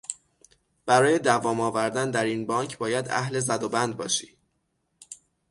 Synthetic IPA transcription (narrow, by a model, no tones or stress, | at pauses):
b̥æɾɒːje̞d̪ævɒːmɒːvæɾd̪ænd̪æɾiːnbɒːŋkʰbɒːjæd̪æ̰ɦle̞zæd̪obænd̪̚bɒ̰ːʃiː